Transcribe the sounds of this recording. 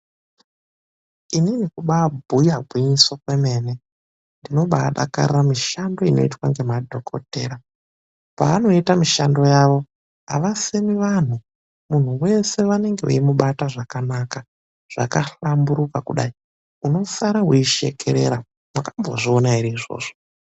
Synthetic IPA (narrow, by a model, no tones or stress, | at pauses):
ininikuɓabʱujaɡʱwiɲiswakweme̞ːne̞ | ndino̞ɓaːɗa̰ka̰rramiʃando̞ino̞̰itwaŋɡe̞madʱo̞kʰo̞̰te̞ːɾa | paːno̞itamiʃando̞jaʋo̞ | a̰ʋase̞miʋan̤u | mun̤uwe̞se̞ʋane̞ŋɡe̞ṵimuɓataʐakanaːka | ʐ̥a̰kaɬambuɾukakuɗai | uno̞saɾawuiʃe̞̰kʰe̞̰ɾe̞̰ɾa | mwakamboʐionaiɾiːʐo̞̰ːʐo